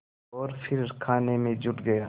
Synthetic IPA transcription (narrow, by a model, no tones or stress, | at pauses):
ɔːɾfʰɪɾkʰaːnemẽd͡ʒʊʈɡɐjaː